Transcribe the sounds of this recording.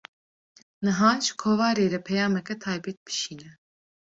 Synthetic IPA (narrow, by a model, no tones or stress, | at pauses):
nɨɦɑːʒɨ̥kʰoːvɑːɾeːɾɛpʰɛjɑːmɛkɛt̪ʰɑːjbɛt̪̚b̥ɨ̥ʃiːnɛ